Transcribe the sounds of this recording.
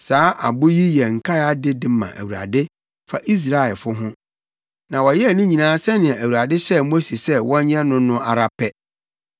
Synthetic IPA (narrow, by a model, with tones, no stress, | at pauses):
saː˦ʔa̰˨bʊ˦ji˦jɛ˨ŋ̩˨kʰa˦a˦dɪ˦dɪ˨mã̰˨ʔæ̰˨wu˨ɾa̰˨dɪ˦ | fa̰˨ʔi˦s̬ɾa˨ɛ˨lfʊ˦ɦʊ̃˦ | nã˨wɔ˨jɛ˦˨nʊ̃˦ɲĩ˨nãː˦sɛ˦nɪ̃˨ɛ̃˨ʔæ˨wu˨ɾa˨dɪ˦ɕɛ˦mo˦si˨sɛ˦wɔ̃˦ɲɛ̃˦nʊ̃˦nʊ̃˦ʔa˨ɾa˦pʰɛ˦